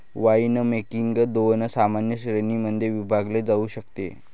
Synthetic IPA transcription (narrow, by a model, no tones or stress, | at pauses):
ʋainəmekiŋɡd̪onəsamanjəɕɾenimənd̪ʱjeʋibʱaɡled͡zauːɕək̚t̪ḛ